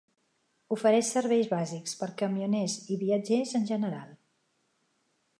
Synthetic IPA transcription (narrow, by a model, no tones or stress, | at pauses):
ufəɾɛʃsəɾβɛjzβazikspəɾkəmiunɛziβiəd͡ʒezənʲʒənəɾalˠ